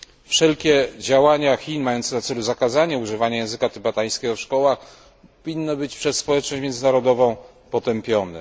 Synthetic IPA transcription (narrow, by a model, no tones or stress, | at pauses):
fʂɛlkʲɛd͡ʑawaɲaxʲinmajɔnt̪sɛnat̪sɛluzakazaɲɛuʐɘvaɲajɛ̃w̃zɘkat̪ɘbat̪aj̃skʲɛɡɔfʂkɔwax | ɔvʲinːɔbɘt͡ɕpʂɛsspɔwɛt͡ʂnɔɕt͡ɕmjɛnzɘnaɾɔd̪ɔvɔ̃w̃ | pɔt̪ɛmpʲjɔnɛ̰